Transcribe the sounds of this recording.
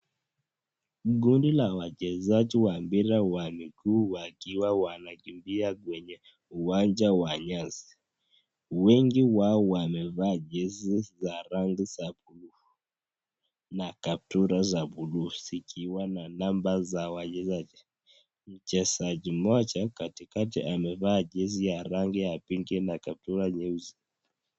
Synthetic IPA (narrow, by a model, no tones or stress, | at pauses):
ɡundilawad͡ʒɛzad͡ʒiwambiɾawamiɡuːwakiwawanaɡimbiaɡwɛɲɛ | uwand͡ʒawaɲazi | wɛŋɡiwaɔwamɛvaːd͡ʒɛzizaɾaŋɡizabuluu | nakap̚tuɾazabuluzikʰiwananambazawad͡ʒɛzad͡ʒi | m̩t͡ʃɛsad͡ʒimɔt͡ʃakatikatḭʔamɛvad͡ʒɛzijaɾaŋɡijapiŋɡinakap̚tuɾaɲɛuzi